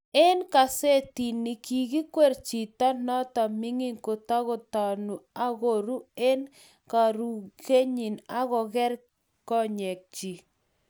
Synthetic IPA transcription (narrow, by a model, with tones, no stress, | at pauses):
e˦nka˨se˦ti˨ni˨ki˨ɣi˦kwe˦˨ɾt͡ʃi˨ta˦nɔ˦ta˨mɪ˦ŋi˦ŋko˨ta˦ɣɔ˨ta˨nu˨a˦ɣo˨ɾu˦e˦n | ka˨ɾu˨ɣe˦ɲi˨na˦ɣɔ˨ɣɛ˦ɾ | kɔ˦ɲɛ˨k̚t͡ʃi˨